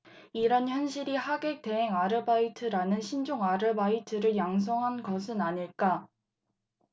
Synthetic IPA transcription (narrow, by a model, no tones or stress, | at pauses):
iɾʌnçjʌnɕʰiɾihaɡe̞k̚te̞ɦeŋaɾɯbaitʰɯɾanɯnɕʰind͡ʑoŋaɾɯbaitʰɯɾɯɭjaŋs̬ʰoŋɦanɡʌs̬ʰɯnaɲiɭk͈a